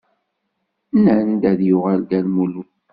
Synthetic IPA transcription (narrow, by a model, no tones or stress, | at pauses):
nənnd̪æðjuʁəlɡ̪ælmulu